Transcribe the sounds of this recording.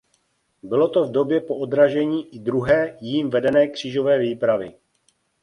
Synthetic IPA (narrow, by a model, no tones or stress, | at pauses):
bɪlot̪o̞vdo̞bjɛpoʔod̪ɾaʒɛɲiːʔɪdɾuɦɛːjiːmvɛdɛnɛːkr̝̥iːʒo̞vɛːviːpɾavɪ